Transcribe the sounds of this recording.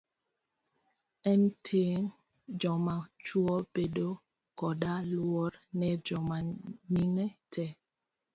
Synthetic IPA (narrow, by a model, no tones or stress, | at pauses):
ɛntʰeŋ | d͡ʒɔmat͡ʃwɔbedo | kɔdalwɔɾnɛd͡ʒɔmaniŋɛtʰɛ